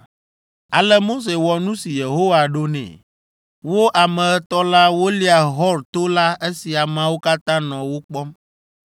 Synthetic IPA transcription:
a˨lə˦mo˦s̬e˨wɔ˨nũ˦si˨je˨ɦo˦wa˨ɖo˦nɛ̰̃˨ | wo˦ʔa˨mɛ̃˨ə˦t̪ɔ˦la˦wo˦li˦a˨ɦɔ˦ɾt̪o˦la˦e˦si˨a˨mã˦wo˦ka˦t̪ã˦nɔ̃˨wo˦k͡pɔ˦m

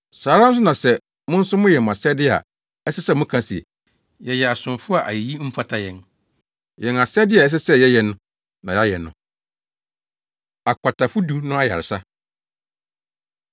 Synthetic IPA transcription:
saː˨˦ɾã˦m̩˦s̬ʊ˦nã˨sɛ˨ | mʊ̃˦n̩˦sʊ˦mʊ̃˦jɛ˨m˨a˨sɛ˦dɪ˦a̰˨ | ɛ˦sɛ˦sɛ˦˨mʊ̃˦kʰã˦si˨e˨ | jɛ˨jɛ˨a˨sʊ̃˨fʊ˦a˨ʔa˨i˨ji˦m̩˦fa˦tʰa˦jɛ̃˨n | jɛ̃˨n˨a˨sɛ˦dɪ˦a˨ɛ˦s̬ɛ˦sɛ˦jɛ˦jɛ˨nʊ̃˦ | nã˨ja˦jɛ˨nːʊ̰̃˨ | a˨kʰa˨tʰa˨fʊ˦du˦nʊ̃˦a˦ja̰˨ɾɪ˨sa˦

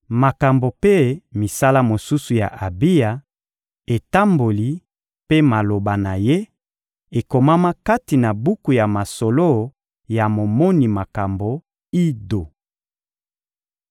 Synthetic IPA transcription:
ma˨ka˨mbo˨pe˦mi˨sa˦la˦mo˨su˦su˨ja̰˨ʔa˨bi˦ja˨ | e˨ta˦mbo˨li˨ | pe˦ma˨lo˨ba˨na˨je˦ | e˨ko˨ma˦ma˦ka˦ti˨na˨bu˦ku˨ja˨ma˨so˨lo˦ | ja˨mo˨mɔ˦ni˨ma˨ka˨mbo˨ | i˦do˨

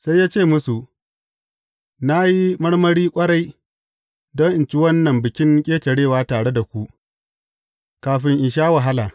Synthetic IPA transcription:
sa˦jːaː˦t͡ʃeː˦˨mʊ˦su˨ | na˦ji˦mɐ˦ɽmɐ˦ɽiː˦kʷʼɐ˦ɽa˦j | dɔ˦ŋʔɪ˨nt͡ʃi˦wɐ˦nːɐ˨mbɪ˨kʲɪ˦ŋkʲʼeː˦tɐ˨ɽeː˦˨waː˦taː˨ɽe˦da˨kʷu˦ʔ | kaː˨ɸɪ˦ŋʔɪ˨ʃ̬aː˦wɐ˨ɦa˦laː˨

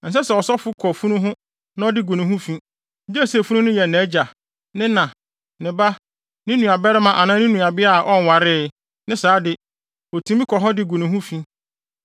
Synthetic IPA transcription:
n̩˨s̬ɛ˦sɛ˨ɔ˨sɔ˦fʊ˦kʰɔ˨fu˦nũ˦ɦʊ̃˦ | nã˦ɔ˦dɪ˦ɡu˨nĩ˨ɦũ˦fĩ˦˨˦ | di˦æ˦˨sfũ˦nʊ̃˦nʊ̃˦jɛ˨nɛ̃˨˦d͡ʑa˨ | nɪ̃˦nã˨ | nɪ̃˨ba˦ | nɪ̃˦nũ˨a˨bɛ˦ɾɪ˦mã˨ʔa˨nãː˦nɪ̃˦nũ˨a˨bɪ˦a˦˨ʔɔ˦n˨wa˨ɾɪ˦ | nɪ̃˦saː˨˦dɪ˦ | ɔ˨tʰĩ˦mĩ˦kʰɔ˨ɦɔ˦dɪ˦ɡu˨nĩ˨ɦũ˦fĩ˦

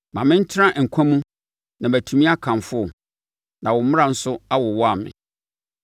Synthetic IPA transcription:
mã˨mɪ̃˦n̩˦t͡ɕʰɪ˦ɾã˦ʔŋ̩˨kʷʰã˦mũ˦ | nã˨mbæ˨tʰu˨mĩ˦a˦kʰã˨mfʊ˦˨ | nã˨wɔ˨m˦mʊ̃˦ã˨n̩˦sʊ˦a˦wɔ˨wɔ˦a˨mɪ̰̃˨

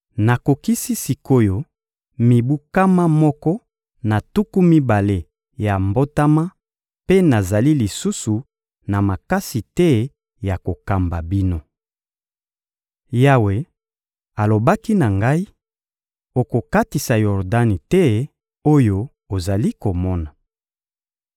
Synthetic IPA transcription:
na˨ko˨ki˦si˦si˨ko˦jo˨ | mi˨bu˦ka˦ma˦mɔ˦kɔ˦ | na˨tu˦ku˦mi˦ba˨le˦ | ja˨mbo˦ta˦ma˦ | pe˦na˨za˨li˦li˨su˦su˨ | na˨ma˨ka˦si˨tɛ˦ | ja˨ko˨ka˨mba˨bi˦no˦ | ja˦we˨ | a˨lo˨ba˦ki˦na˨ŋɡa˦i˦ | o˨ko˨ka˦ti˨sa˨jɔ˨ʁda˦ni˨tɛ˦ | o˦jo˦ | o˨za˨li˦ko˨mɔ˦na˨

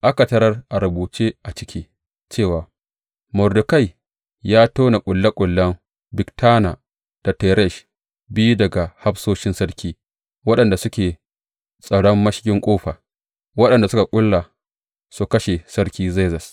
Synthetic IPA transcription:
ʔa˦ka˨tɐ˦ɾɐ˦rʔa˨ɾʊ˨buː˨t͡ʃe˦ʔa˨t͡ʃɪ˦kʲʰiː˦ | t͡ʃeː˦˨waː˨ | mʊ˨rdʊ˨ka˦˨j | jaː˦toː˦na˨kʷʼʊ˨lːɐ˦kʷʼʊ˨lːɐ˦m | bɪ˨ktaː˦na˨ | d̥a˨tɛ˨ɾɛ˦˨ʃ | bɪ˦ju˦dɐ˨ɡa˨ha˦ɸsoː˦ʃɪ˦nsɐ˦rkʲiː˦ | wɐ˦ɗɐ˨nda˨sʊ˦kʲeː˨ | sʼɐ˨ɽɔ˦mːɐ˦ʃkʲɪ˦ŋkʷʼoː˦ɸaː˨ | wɐ˦ɗɐ˨nda˨sʊ˦ka˨kʷʼʊ˦lːa˨ | su˦kɐ˦ʃe˨sɐ˦ɾkʲiː˦ze˦zɐ˨s

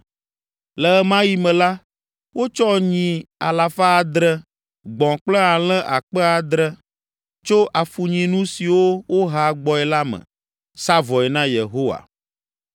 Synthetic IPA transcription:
lɛ˨ɛ˦mã˦ji˦mɛ̃˨la˦ | wo˦t͡ʃɔ˦ɲĩ˨a˨la˨fa˦˨d̪ɾɛ˦ | ɡ͡bɔ̃˨k͡plɛ˦a˨l̃ɛ̃˦ʔa˨k͡pɛ˦a˨d̪ɾɛ˦ | t͡ʃo˦ʔa˨fu˨ɲĩ˨nũ˦si˨wo˦wo˦ɦa˨ɡ͡bɔ˨ɛ˨la˦mə̰̃˨ | sa˦vɔ˨ɛ˨nã˦jḛ˨ɦo˦wa̰˨

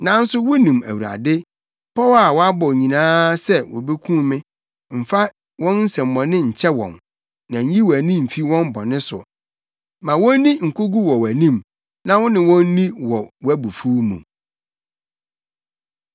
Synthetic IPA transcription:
nã˨˦n̩˦sʊ˦wʊ˦nĩ˨mæ̰˨wu˨ɾa̰˨dɪ˦ | pʰɔ˦wa˨wɔ˦a˦bɔ˨ɲĩ˨nãː˦sɛ˦wʊ̰˨be˦kʰũ˦mɪ̃˦ | m̩˨fa˦ | wɔ̃˦nn̩˦sɛ̃˨m̩ː˨ɔ̃˨nɪ̃˦˨ɲ̩˨t͡ɕʰɛ˦wɔ̰̃˨n | nã˨ɲ˦ji˦wæ˨nĩ˦m̩˨fi˦wɔ̃˦m˦bɔ˨nɪ̃˦sʊ̰˨ | mã˨wɔ̃˦n˦nĩ˦ŋ̩˨kʰʊ˦ɡu˦wɔ˨wæ˨nĩ˦m | nã˦wʊ̃˦nɪ̃˨wɔ̃˦n˦nĩ˦wɔ˨wæ˦bu˨fuː˦mṵ̃˨

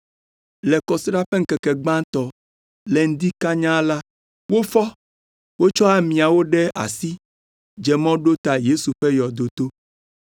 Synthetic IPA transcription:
lɛ˨kɔ˨sɾa˦ɸɛ˦ŋ̩˦kɛ˨kɛ˨ɡ͡bã˦t̪ɔ˨ | lɛ˨ŋ̩˦d̪i˦ka˦ɲã˦la˦ | wo˦fɔ˦ | wo˦t͡ʃɔ˦a˦mĩ˨a˨wo˦ɖɛ˦a̰˨si˦ | d͡ʒɛ˨mɔ̃˦ɖo˦t̪a˨je˦su˨ɸe˦jɔ˨d̪o˨t̪o˦

